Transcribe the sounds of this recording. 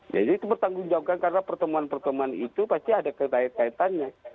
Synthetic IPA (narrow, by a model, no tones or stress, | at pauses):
d͡ʒa̰diːt̪ubərt̪aŋɡʊŋd͡ʒaukankaɾənapərt̪əmuanpərt̪əmuanit̪upast̪iadakəkaɪt̪̚kait̪anɲa